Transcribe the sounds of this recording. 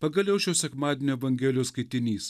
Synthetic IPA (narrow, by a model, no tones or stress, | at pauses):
pɐɡɐlʲjʲɛʊʃʲoːsʲɛkmɑːd̪ʲenʲoːɛʋɐŋʲɡʲɛːlʲɪjoːskɐɪt̪ʲɪnʲiːs